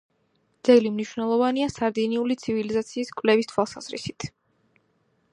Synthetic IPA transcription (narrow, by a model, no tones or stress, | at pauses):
d̪zɛlimniʃwnɛlˠɔvaniasaɾd̪iniulit̪sʰivilizat̪sʰiːskʼvlɛvist̪ʰwalˠsa̰z̥ɾḭsit̪ʰ